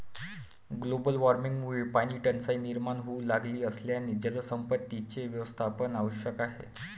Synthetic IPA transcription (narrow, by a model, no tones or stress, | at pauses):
ɡlobəlʋaɾmiŋɡmuipaniʈənsainiɾmaɳɦoulaɡliːəsljanid͡ʑələsəmpət̪ːit͡ɕeʋjəʋəst̪ʰapənaʋəɕjəkaɦḛ